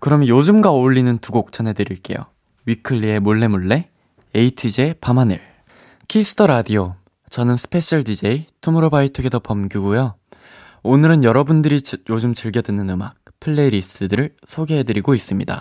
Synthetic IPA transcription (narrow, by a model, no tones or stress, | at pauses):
kɯɾʌmjʌjod͡ʑɯmɡaoɭːinɯntuɡok̚t͡ɕ͈ʌnɦe̞dɯɾiɭk͈e̞̰jo̰ | ɥikʰɯɭːie̞muɭːe̞muɭːe̞ | eitʰid͡ʑepamanɯ̰ɭ | kʰisʰɯ̥tʰʌɾadio | t͡ɕʌnɯnsʰɯ̥pʰe̞ɕʰʌɭdid͡ʑeitʰumɯɾobaitʰɯɡedopʌmɡjuɡujʌ | onɯɾɯnjʌɾʌbundɯɾijod͡ʑɯmt͡ɕɯɭɡjʌdɯnɯnɯmak̚pʰɯɭːe̞iɾis͈ɯdɯɾɯɭ | sʰoɡe̞ɦe̞dɯɾiɡois͈ɯmɲida̰